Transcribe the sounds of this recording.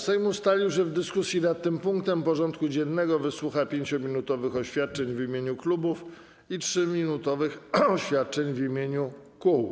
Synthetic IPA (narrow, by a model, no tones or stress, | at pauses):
sɛjmust̪alʲiwɕɛvd̪ɘskusʲjinat̪̚ːɘmpuŋk̚t̪ɛmpɔʐɔnt̪kud͡ʑɛnːɛɡɔvɘswuxapʲjeɲt͡ɕɔmʲinut̪ɔvɘxɔɕfʲjat̪̚t͡ʂɛɲvimʲjeɲuklubuf | itʂɘmʲinut̪ɔvɘxɔɕfʲjat̪̚t͡ʂɛɲvimʲjeɲukuw